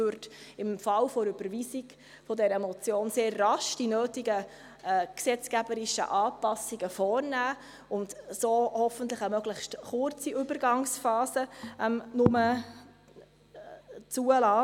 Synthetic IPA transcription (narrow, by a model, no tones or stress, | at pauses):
øɾtɪmfɑlfoɾʏb̥əɾʋiːsiɡ̥ | fɔdɛɾəmɔt͡sjoːnseːrːɑʃd̥inøːtiɡə | ɛksɛt͡skæbəɾɪʃə̰ʔɑːpɑsiɡəfɔːrnæː | ʊndsoːhɔfən̩tləχəmœɡ̥lɪχʃtχʊɾt͡siʏbəɾɡɑŋsfɑːsəʔɛmnʊmə | t͡suəlɑː